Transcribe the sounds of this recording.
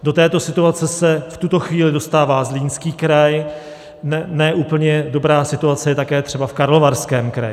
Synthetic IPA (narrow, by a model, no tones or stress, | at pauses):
do̞t̪ɛːt̪o̞sɪt̪uat͡sɛsɛft̪ut̪o̞xviːlɪdo̞st̪aːvaːzliːnskiːkɾaj | nɛnɛːʔuːpl̩ɲɛdo̞bɾaːsɪt̪uat͡sɛjɛt̪akɛːt̪r̥ɛbafkaɾlo̞vaɾskɛːmkɾa̰jɪ